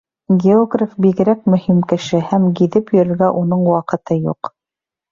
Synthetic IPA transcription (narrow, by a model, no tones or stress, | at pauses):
ɡʲeoɡrʲɪfbiɣɘ̆ɾæk̚mɵ̆himkɘ̆ʃɘhæmɡiðɘpjɵ̆ɾɘ̆ɾɡæʔunɤɴwɑqɤ̆t̪ɤjṵq